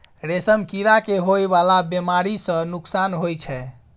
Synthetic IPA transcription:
ɾesəmkiɾakeɦojβalabemaɾisə̃nuksanɦojt͡ʃʰɛ

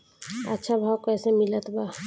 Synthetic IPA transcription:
ə̰tːʃʰabʱawkɛsemilət̪ba

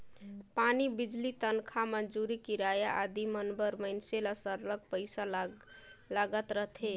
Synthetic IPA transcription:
panibid͡ʒlit̪ənkʰamənd͡ʒuɾikiɾajaʔad̪imənbəɾməjnseləsəɾləkpəɪsa | laɡət̪ɾəɦt̪ʰe

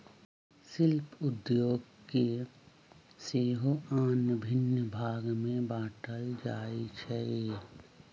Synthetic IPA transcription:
sɪlpʰʊd̪joːɡke | seːɦoaːnəbʱɪnjəbʱaːɡmẽbaːʈəld͡ʒaːit͡ʃʰɛeː

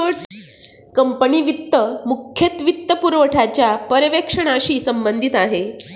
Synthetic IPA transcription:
kəmpəniːʋit̪ːəmukʰjət̪ʋit̪ːəpuɾʋəʈʰat͡ɕjapəɾəʋekʂəɽ̃aəɕiːsəmbənd̪ʱit̪aɦe

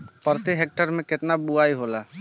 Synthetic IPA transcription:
pəɾt̪iɦek̚ʈəɾmẽkɪt̪nabuaːiɦolaː

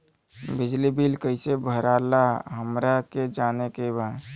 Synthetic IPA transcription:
bɪd͡ʒlibilkəɪsebʱəɾalaɦəmɾaked͡ʒaːnekeba

